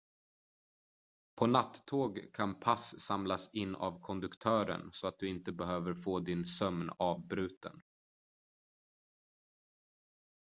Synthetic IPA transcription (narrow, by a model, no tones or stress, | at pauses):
pʰɔnat̪ːʰoːɡkʰanpʰasːamlasɪnːa̰vkʰɔnd̪ɵkt̪ʰœːɾə̰nsɔat̪̚d̪ɵɪnt̪əbɛɦøːvəɾfoːd̪ɪnsœmnɑːvbɾʉ̟ːt̪ə̰n